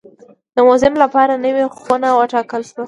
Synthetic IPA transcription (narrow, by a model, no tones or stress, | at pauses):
d̪̥əmʊzɪmlapɑɾanəwexwʊnawəʈɑkəlʃwa